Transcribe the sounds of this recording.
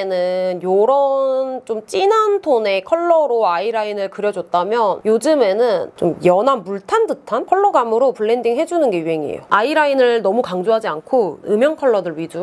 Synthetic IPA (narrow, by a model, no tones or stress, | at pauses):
nɯnjoɾʌnt͡ɕomt͡ɕ͈inantʰone̞kʰʌɭːʌɾoaiɾainɯɭkɯɾjʌd͡ʑʌt̚t͈amjʌnjod͡ʑɯme̞nɯnt͡ɕomjʌnanmuɭtʰandɯtʰankʰʌɭːʌɡamɯɾopuɭːe̞ndiŋɦe̞d͡ʑunɯnɡe̞yɦe̞ŋiḛjoaiɾainɯɭnʌmukaŋd͡ʑoɦad͡ʑiankʰoɯmjʌŋkʰʌɭːʌdɯɭɥid͡ʑu